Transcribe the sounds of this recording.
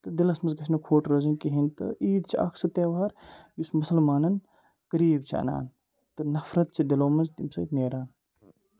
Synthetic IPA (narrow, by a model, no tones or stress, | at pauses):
t̪ɨd̪ɪlɐsmɐzɡɐt͡ʃʰnɐkʰoːʈɾoːzinkiɦint̪ɨ̰ʔiːd̪t͡ʃʰiʔɐ̰kʰsɐt̪eːʋaːɾjusmʊsɐlmaːnɐn | kɐɾiːbt͡ʃʰiɐ̰na̰ːn | t̪ɨnɐfɾɐt̪̚t͡ʃʰid̪ɪloːmɐnzt̪imsɐ̰ːt̪neːɾaːn